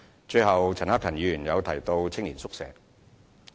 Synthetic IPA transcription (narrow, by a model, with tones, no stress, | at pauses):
t͡ʃɵ˧ɥhɐ˨wt͡sʰɐ˨˩nhaː˥k̪̚ʰɐ˨˩njiː˨jyː˨˩njɐ˨˧wt̪ʰɐ˨˩jt̪o˧wt͡sʰɪ˥ŋliː˨˩nsʊ˥k̚sɛ̰ː˨˧